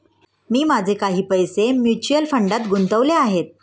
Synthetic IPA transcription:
miːmad͡zʱekaɦiːpəjsemjut͡ɕuəlfəɳɖat̪ɡunt̪əʋleaɦet̪̚

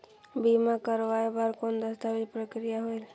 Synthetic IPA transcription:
bimakəɾʋaebaɾkond̪əst̪abid͡ʒpɾəkɾijaɦoil

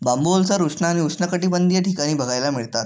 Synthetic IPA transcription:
bambolsaɾut͡sɳaːñiut͡sɳəkəʈiːbənd̪ʱijaʈʰikaɽ̃iːbəɡʱajlamiɭt̪at̪

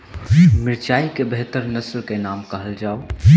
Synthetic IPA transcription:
miɾt͡ʃaikebʱet̪əɾnəslkenamkəɦəld͡ʒaw

